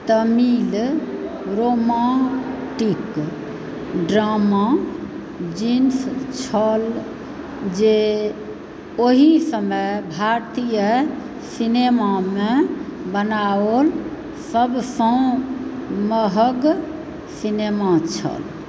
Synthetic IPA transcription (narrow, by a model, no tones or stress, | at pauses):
t̪əmil | ɾomã | ʈik | ɖɾama | d͡ʒinst͡ʃʰəl | d͡ʒe | oɦisəməjbʱaɾt̪ijə | sinemamẽbənaol | səbsə̃ | məɦəɡ | sinemat͡ʃʰə̰l